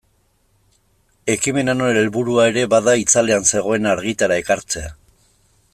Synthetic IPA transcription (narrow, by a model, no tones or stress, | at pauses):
e̞kime̞nanoenelβuɾuae̞ɾe̞βaðait͡sale̞anse̞ɣ̞o̞e̞naɾɣit̪aɾae̞kaɾt͡se̞a